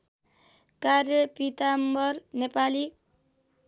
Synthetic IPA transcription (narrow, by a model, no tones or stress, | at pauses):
karjʌpit̪ambʌrnepali